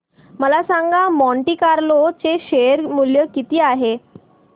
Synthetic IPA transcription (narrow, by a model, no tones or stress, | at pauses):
məlasãŋɡamɔɳʈiːkaɾlot͡seɕeɾmuljəkit̪iːaɦe